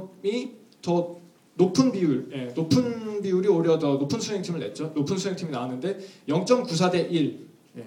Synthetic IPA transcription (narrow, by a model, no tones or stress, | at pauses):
mi | t͡ɕʌ | nopʰɯnbiuɭje̞nopʰɯnbiuɾioɾjʌdʌnopʰɯnsʰuɦe̞ŋtʰimɯɭne̞t̚t͡ɕ͈onopʰɯnsʰue̞ŋtʰiminaanɯnde̞jʌŋt͡ɕ͈ʌmkus̬ʰade̞ʔiɭ | je